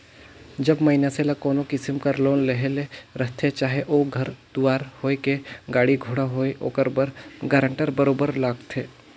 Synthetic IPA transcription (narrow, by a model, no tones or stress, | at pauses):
d͡ʒɐbmɐinaselakɔːnokɪsɪmkəɾloːnleɦeleɾɐɦt̪ʰet͡ʃaːɦeʔoːɡʱɐɾd̪̥uaːɾhoːekeɡaːɽiɡʱoːɽaɦoːeʔo̰ːkəɾbəɾɡəːɾə̃ɳʈəɾbɐɾoːbəɾlaːɡt̪ʰeː